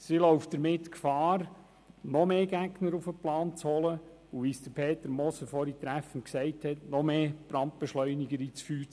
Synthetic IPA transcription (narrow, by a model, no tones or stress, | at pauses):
silɔʊf̚d̥əɾmɪt̪kfɑːɾ | nɔmeːɡ̥æɡnəɾufəplɑːnt͡shɔlə | uʋisd̥əɾpʰeːt̪əɾmɔsəfɔɾit̪ɾæfənksɛɪthɛtnɔmeːpɾɑnt̚b̥ɛʃlœʏniɡəɾiːt͡sfyːɾ